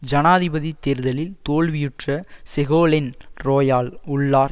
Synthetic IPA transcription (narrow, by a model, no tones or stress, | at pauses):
d͡ʒɐnaːðɪbɐðit̪ːeːɾðɐlɪlt̪oːɭʋɪjɪʈrɐsɛɣoːlɪnɾoːjaːlʊɭːaːɾ